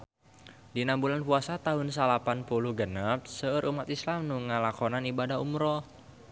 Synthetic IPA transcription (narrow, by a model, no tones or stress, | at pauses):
dinambulanpuasat̪aɦʊnsalapanpuluhɡənap̚səəɾʔumat̪islamnuŋalakɔnanibadaɦumɾɔ